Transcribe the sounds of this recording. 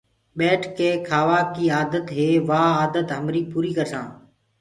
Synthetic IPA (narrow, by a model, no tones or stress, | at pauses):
ɓeːʈʰkeːkʰaːʋaːkiːaːd̪ət̪ɦeːʋaːaːd̪ət̪ɦəmɾiːpuːɾiːkəɾsã̰ː